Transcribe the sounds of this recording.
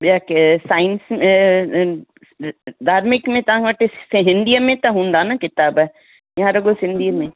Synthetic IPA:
baksaːɪnsme | d̪aːɾmɪkmẽt̪ɐãŋʋɐʈessɦɪ̃nd̪ijamẽt̪ɐɦũːnd̪aːnakɪt̪aːbɛ | jɦãɾɐɡosɪ̃nd̪iːmẽ

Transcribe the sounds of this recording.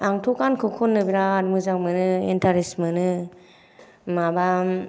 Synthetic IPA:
aŋtʰɔkankʰɯkʰɔnːɯbiɾaːdmɯzaŋmɯnɯḛntʰaɾismɯnɯ | maba

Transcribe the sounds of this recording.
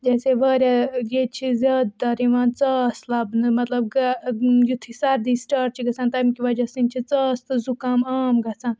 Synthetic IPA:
d͡ʒɐːseʋɐːɾʲjaɡet͡ʃʰizʲɐːd̪̚d̪ɐɾiʋãːnt͡sɐːslɐbnɨmɐt̪lɐb̚ɡɐjut̪ʰisɐɾd̪isʈaːʈ̚t͡ʃʰiɡɐt͡sʰaːnt̪ɐmkiʋɐd͡ʒɐsint͡ʃʰit͡sɐːst̪ɨzukaːmaːmɡɐt͡sʰãːn

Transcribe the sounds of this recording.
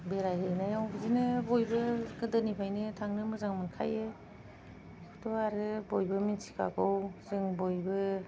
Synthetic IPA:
beɾajɯjnajawbɯzinɯbojbɯɡɯdɯnipʰajnɯtʰaŋnɯmɯzaŋmɯnkʰa̰je | kʰutʰɔaɾɯbojbɯminsi̥kʰa̰ɡɔwzɯŋbojbɯ

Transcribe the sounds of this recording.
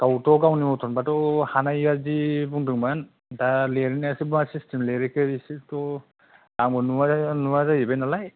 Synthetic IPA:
ɡ̥awtɔɡawnimɔtʰɔnbatɔhanajːaɾzibuŋdɯŋman | daleɾinasibuŋasistʰemleɾekeɾisitɔ | aŋbɔnuanumazajibejnalaj

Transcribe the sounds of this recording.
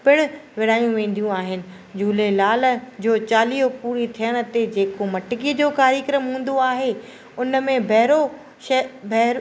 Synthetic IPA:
pɪɽ̃ʊ̆ʋɪɽ̤aːjũʋẽːn̆d̪ijũaːɦɪnɪ̆ | d͡ʑuːlelaːl̆d͡ʑoːt͡ɕaːlijopuːɾit̪ʰijəɽ̃̆t̪ed͡ʑeːkomɐʈɪkid͡ʑoːkaːɾjəkɾəmɦũːn̆d̪oaːɦe | ʊnə̆mẽbʱɛɦɾo | bʱɛɦ

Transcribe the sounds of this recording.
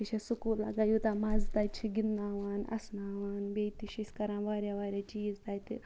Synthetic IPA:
kit͡ʃʰesukuːlɐ̰ɡaːjuːt̪aːmaːzt̪aːt͡ʃʰiɡinːaːʋaːnɐ̰snaːʋaːnbeːjt̪iʃisʲkɐɾãːʋaːɾjaːʋaːɾʲjaːt͡ʃiːzt̪aːjt̪ḭ

